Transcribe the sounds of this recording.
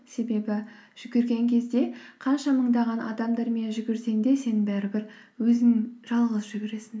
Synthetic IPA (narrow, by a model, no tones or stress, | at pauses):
se̞be̞bɪʒ̥ʏɡʲɪɾɡʲe̞ŋkʲʰe̞zd̪e̞qʰɑnʃɑməɴd̪ɑʁɑnʔɑ̰d̪ɑmd̪ɑɾmenʒʏɡʲɪɾse̞ŋd̪e̞se̞nɪŋbæɾɪbɪɾwɵzɪŋʒ̥ɑlˠʁəzʒʏɡʲɪɾe̞sɪn